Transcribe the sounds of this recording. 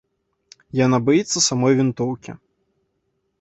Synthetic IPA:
janabajit̪sːɐsamɔjvʲint̪ɔwkʲḭ

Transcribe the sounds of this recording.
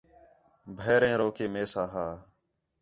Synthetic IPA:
bʱeːɾẽːɾoːkeːmeːsaːɦaː

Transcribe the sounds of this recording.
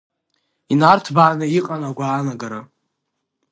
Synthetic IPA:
inartʰbaːnɨiqʼanaɡʷaːnaɡaɾa

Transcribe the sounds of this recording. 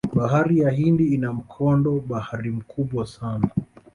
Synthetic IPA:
ɓaɦaɾijahindiːnam̩kʰɔndɔɓahaɾim̩kʰuɓwasana

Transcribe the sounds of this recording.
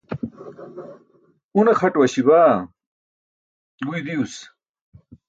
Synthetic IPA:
unɐxɐʈwɐɕibaː | ɡujd̪ius

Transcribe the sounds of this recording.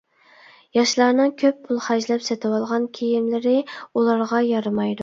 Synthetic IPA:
jɑʃlˠɑɾnɨŋkʲʰøppʰːulˠχæʒlɛpsɛt̪ʰɨwɑlˠʁɑnkʲʰejimlɪɾɪulˠɑɾʁɑjɑɾɨmɑjd̪u

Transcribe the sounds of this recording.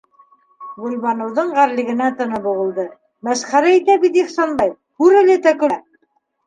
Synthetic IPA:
ɡŭlβɑnɤ̆wðɤɴʁæɾlɘ̆ɡɘ̆næt̪ɤ̆nɤbŭʁɤ̆lˠd̪ɤ | mæʃχæɾæit̪æbit̪iχsɑnbɑj | hʉɾɘ̆lɘt̪ækɵ̆

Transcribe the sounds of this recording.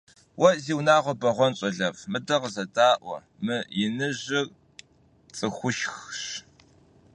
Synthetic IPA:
wɐziːwnaːʁʷɔbɐʁʷɔnɕʼɐɮɐvmɨdɐʁəzɐdaːʔʷɔ̰ | mɨjɪnɨʑɪr | t͡sʼɨxʷʊʃxɕ

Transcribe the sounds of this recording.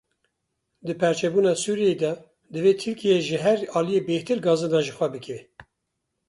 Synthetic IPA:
d̪ɨpʰɛɾt͡ʃʰɛbuːnɑːsuːɾijed̪ɛ | d̪ɨveːt̪ʰɨɾkijeʒɨɦɛɾɑːlijebeht̪ɨɾɡɑːzɨnɑːʒɨxʷɛbɨkʰɛ

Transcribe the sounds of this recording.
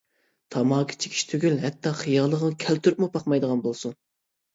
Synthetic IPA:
t̪ʰɑmɑːkʰi̥t͡ʃʰe̥kʲʰi̥ʃt̪ʰøɡʲylɦɛt̪ʰːɑχijɑːlˠːəʁənkʲʰɛlt̪ʰyɾp̚mupʰɑqmɑjd̪əʁɑnbolˠsun

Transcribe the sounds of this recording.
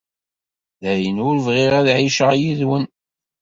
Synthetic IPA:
ðæjənʊɾvʁiʁæðʕiʃəʁjiðwən

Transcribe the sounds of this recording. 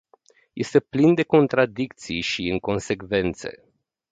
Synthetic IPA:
je̞st̪e̞plind̪e̞ko̞nt̪ɾad̪ikt̪sijʃiɨŋko̞nse̞kve̞nt̪se̞̰

